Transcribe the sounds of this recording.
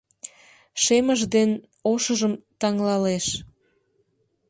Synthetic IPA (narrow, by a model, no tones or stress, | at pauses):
ʃeməʒd̪en | oʃəʒəmt̪ɑŋlɑleʃ